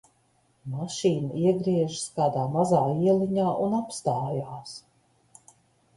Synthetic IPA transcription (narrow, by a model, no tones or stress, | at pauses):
maʃiːnaiɛɡɾiɛʒskaːd̪aːmazaːiɛlʲiɲaːʔunapst̪aːjaːs